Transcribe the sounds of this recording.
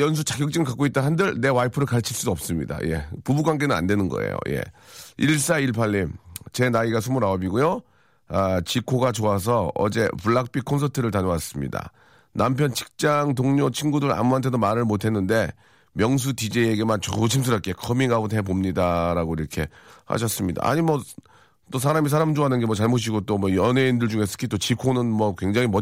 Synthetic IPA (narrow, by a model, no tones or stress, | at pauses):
jʌns̬ʰut͡ɕaɡjʌk̚t͡ɕ͈iŋɯɭkak͈oit̚t͈aɦandɯɭne̞waipʰɯɾɯɭkaɭt͡ɕʰiɭs͈udoʌp̚s͈ɯmɲḭda̰je̞̰pubuɡwaŋɡe̞nɯna̰ndwe̞nɯnɡʌ̰ḛjo̰je̞̰iɭs͈aiɭpʰaʎːimt͡ɕe̞naiɡas̬ʰumuɾaobiɡojo | at͡ɕikʰoɡat͡ɕoas̬ʰʌʌ̰d͡ʑe̞puɭːak̚p͈ikʰonsʰʌtʰɯɾɯɭtaɲowas͈ɯmɲḭda̰ | nampʰjʌnt͡ɕʰi̥k̚t͡ɕ͈aŋtoŋɲot͡ɕʰinɡudɯɾa̰muɦant̬ʰe̞domaɾɯɭmotʰe̞nːɯnde̞ | mjʌŋs̬ʰutid͡ʑeeɡemant͡ɕot͡ɕʰims̬ʰɯɾʌk͈e̞kʰʌmiŋɡaɡonʰep̬omɲidaɾaɡoiɾʌkʰe̞ha̰ɕ̬ʰʌs͈ɯmɲida̰a̰ɲimwʌ | t͈osʰaɾamis̬ʰaɾamd͡ʑoɦanɯnɡe̞mwʌt͡ɕaɭmoɕ̬ʰiɡot͈omwʌjʌne̞indɯɭd͡ʑuŋes͈ʰɯ̥kʰit͈ot͡ɕikʰonɯnmʌkweŋd͡ʑaŋimʌ